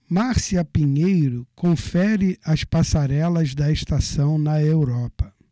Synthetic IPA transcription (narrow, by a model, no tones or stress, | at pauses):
maɾsiɐpiɲejɾʊkõfɛɾɪʔɐspasaɾɛlɐzd̪ɐeʃt̪asɐ̃w̃nɐewɾɔpɐ